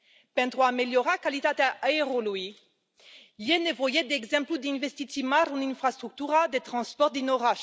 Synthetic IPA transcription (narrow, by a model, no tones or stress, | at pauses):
pɛ̃nt̪ʁoameljɔʁakalit̪at̪aaeʁolwi | jenevɔjed̪ɛɡzɛ̃mplud̪ĩnvɛst̪it̪imaʁũnĩnfʁast̪χyk̚t̪yʁad̪et̪χɑ̃spɔʁt̚d̪inɔʁaʃ